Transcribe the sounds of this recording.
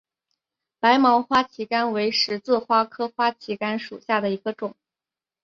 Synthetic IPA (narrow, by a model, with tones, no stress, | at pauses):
pa˧˥ɪmɑ˧˥ʊxwa˥t͡ɕʰi˧˥ka˥nwe˧˥ɪʂɻ̩˧˥t͡sɹ̩˥˩xwa˥kʰɤ˥xwa˥t͡ɕʰi˧˥ka˥nʂṵ˨˩ɕja˥˩d̪ə˩i˧˥ɡə˧ʈ͡ʂʊ˨˩˦ŋ